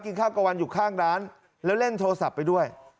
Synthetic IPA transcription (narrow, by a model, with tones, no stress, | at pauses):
ki˧nkʰaː˥˩wka˧wa˧njuː˨˩kʰaː˥˩ŋɾaː˦˥n | lɛː˦˥wle˥˩nt̪ʰoː˧sa˨˩pːa˧jdu˥˩əj